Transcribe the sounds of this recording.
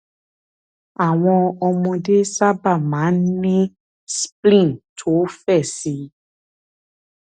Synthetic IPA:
a˨w̃ɔ̃˧ɔ˧mɔ̃˧de˦sa˦ba˦˨mãː˨˦n˦nĩ˦ | splĩ˦˨ntʰo˨˦fɛ˦˨si˨˧˦

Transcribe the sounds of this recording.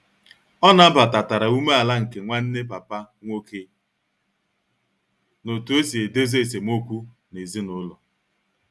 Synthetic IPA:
ɔ˦na˨m̩˦ba˨ta˨ta˨ɾa˨u˦me˦a˨la˦ŋ̩˨ke˨ŋʷa˦n̩˦ne˦pa˨pa˦ | ŋʷo˦kʰe˦ | no˨tu˨˦e˦si˨e˨de˦ze˦e˨s̬e˨m˦o˦kʷu˦ | ne˨zi˦nʊ˦lɔ˨

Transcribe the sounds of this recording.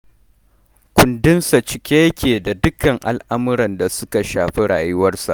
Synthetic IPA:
kʷʊ˨ndɪ˦nsa˨t͡ʃɪ˨kʲeː˦jɐ˦kʲeː˨da˨dʊ˦kɐ˨ŋʔa˨lʔa˦mʊ˦ɽɐ˨nda˨sʊ˦ka˨ʃaː˨ɸi˦ɽa̰ː˨jʊ˦wɐ˦rsa̰˨ʔ

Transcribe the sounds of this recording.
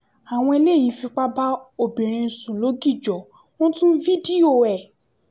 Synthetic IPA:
a˨w̃ɔ̃˧e˧le˦˨jĩ˨˦fi˧k͡pa˦ba˦o˨bĩ˨ɾ̃ĩ˧˨sũ˨lo˨˦ɡi˦˨d͡ʒɔ˨ | w̃ɔ̃˦tũ˦vi˦di˦o˦˨ɛ˨

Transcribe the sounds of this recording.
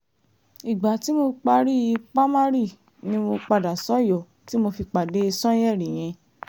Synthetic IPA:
i˨ɡ͡ba˨˦ti˨˦mo˧k͡pa˧ɾi˦˧k͡pa˦ma˦ɾi˦˨ | nĩ˦mo˧k͡pa˧da˨sɔ˨˦jɔ˨ | ti˦mo˧fi˧k͡pa˨de˨˦i˧sɔ̃˦j̃ɛ˦˨ɾĩ˨j̃ɛ̃˧

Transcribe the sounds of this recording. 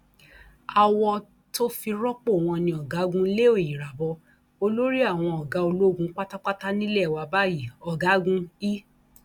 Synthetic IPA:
a˨wɔ˧ | to˦fi˧ɾɔ˦k͡po˦˨w̃ɔ̃˧nĩ˧ɔ˨ɡa˨˦ɡũ˦le˦o˦˨ji˨ɾa˨bɔ˧ | o˧lo˦ɾi˦a˦˨w̃ɔ̃˧ɔ˨ɡa˨˦o˧lo˦˨ɡũ˦k͡pa˦ta˦k͡pa˦ta˦nĩ˦lɛ˦˨wa˨˧ba˦ji˦˨ɔ˨ɡa˨˦ɡũ˦i˦

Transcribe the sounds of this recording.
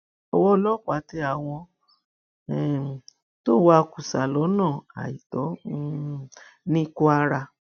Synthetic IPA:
ɔ˨wɔ˧lɔ˦˨k͡pa˨˦˨ti˧˦a˨w̃ɔ̃˧ | ɛ˨ | to˦wa˦˧ku˨sa˨lɔ˨˦nãː˦˨a̰˨i˨tɔ˨˦ | nĩ˦ku˦a˧ɾa˧

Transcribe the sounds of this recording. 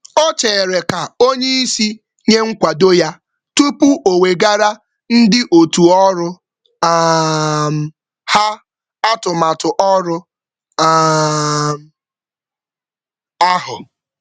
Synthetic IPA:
o˦t͡ʃeː˨ɾe˨ka˨o˦ɲe˦i˦si˦ | ɲe˦ŋ̩˦kʷa˨do˦ja˦ | tu˦pu˦ʔo˨we˨ɡa˦ɾa˦ | n̩˦dɪ˦ʔo˨tu˨ɔ˦ɾʊ˦ | m̩˨ | ha˦ | a˦tʊ˨ma˨tʊ˨ʔɔ˦ɾʊ˦ | m˨ | a˦ɦʊ˨

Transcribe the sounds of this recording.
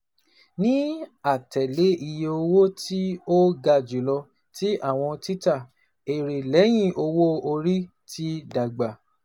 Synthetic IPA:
nĩ˦a˦˨tɛ˨le˨˦ʔi˧je˧o˧wo˦tʰi˦o˦ɡa˧˨d͡ʒu˨˦lɔ˧ | ti˦ʔa˦˨w̃ɔ̃˧ti˦ta˦˨ | e˨ɾe˨lɛ˨˦j̃ĩ˦˨ʔo˧wo˦o˧ɾi˦ | ti˦da˨ɡ͡ba˨

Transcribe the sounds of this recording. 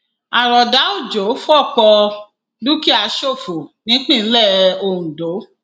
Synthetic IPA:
a˨ɾɔ˨da˨˦o˦˨d͡ʒo˨˦fɔ˦˨k͡pɔ˧ | du˦ki˦a˧ʃo˦˨fu˨nĩ˨˦k͡pĩ˦˨˦lɛ˦˨o˧˨ũ˨do˨˦

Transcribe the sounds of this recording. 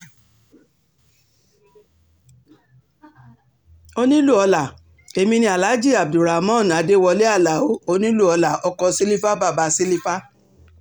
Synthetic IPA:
o˧nĩ˦lu˦˨ɔ˧la˨ | e˧mĩ˧nĩ˦a˨la˨˦d͡ʒi˦˨a˨b̚du˨ɾa˨mɔ̃˦˨n˨a˨˦de˦wɔ˧le˦a˦˨la˨o˨˦o˧nĩ˦lu˦˨ɔ˧la˨ɔ˧˦kɔ˧si˦li˦fa˦ba˦˨ba˧si˦li˦fa˦

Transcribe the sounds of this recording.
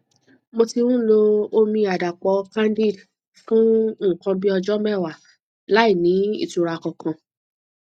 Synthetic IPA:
mo˧ti˧wũ˦lo˦˧o˧˦mĩ˧a˨da˨k͡pɔ˨˧˦kã˦n˦di˦˨d | fũ˦˨kã˧bi˦ɔ˧d͡ʒɔ˦mɛ˦˨wa˨ | la˨˦i˦˨nĩ˨˦ḭ˦˨tu˨ɾa˨kɔ̃˨kã˨

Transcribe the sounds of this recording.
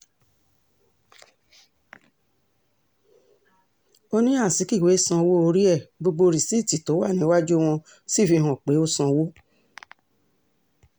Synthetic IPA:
o˦nĩ˦a˦˨si˨˦ki˦˨we˨˦sã˧wo˦o˧ɾi˦ɛ˦˨bo˧ɡ͡bo˧ɾi˨si˦˨ti˨to˨˦wa˦˨nĩ˨˦wa˦d͡ʒu˦w̃ɔ̃˧ | si˦˨fi˧ɦɔ̃˨k͡pe˨˦o˦sã˧wo˦

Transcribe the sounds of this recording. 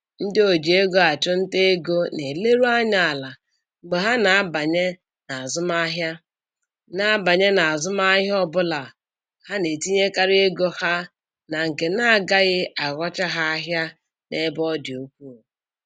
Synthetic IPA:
n̩˦dɪ˦o˨d͡ʒi˨e˦ɡo˦a˨t͡ʃʊ˦n̩˦te˦e˦ɡo˦ne˨le˦ɾu˦a˦ɲa˨a˨la˨ | ŋ͡m̩˨ɡ͡be˨ɦa˦na˨a˦ba˨ɲe˦ | na˨a˨zʊ˦ma˦ɦja˦ | na˦a˦ba˨ɲe˦na˨a˨zʊ˦m˦a˦ɦjɔ˦bʊ˦la˨ | ha˦ne˨ti˦ɲe˦ka˦ɾɪ˦e˦ɡo˦ha˦ | na˨ŋ̩˨ke˨na˦a˨ɡa˦ɣɪ˦a˨ɣɔ˦t͡ʃa˦ɦa˦a˦ɦja˦ | ne˦bɔ˦dɪ˨u˦kʷu˦˨

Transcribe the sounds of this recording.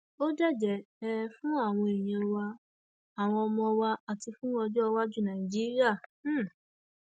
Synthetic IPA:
o˦dɛ˦˨d͡ʒɛ˨ɛ˦˧fũ˦a˦˨w̃ɔ̃˧e˨j̃ĩ˧ɔ˧wa˧ | a˨w̃ɔ̃˧ɔ˧mɔ̃˧wa˧a˨ti˧fũ˦ɔ˧d͡ʒɔ˦ɔ˧wa˦d͡ʒu˦˨nã˨ĩ˨d͡ʒi˦ɾi˦a˦˨˦

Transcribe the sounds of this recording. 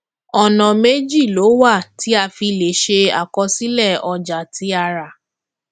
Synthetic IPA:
ɔ˨nã˨me˦d͡ʒi˦˨lo˨˦wa˦˨ti˨˦a˧fi˧le˨ʃe˧a̰˨kɔ˧si˦lɛ˦˨ɔ˧d͡ʒa˨tʰi˨˦a˧ɾa˨

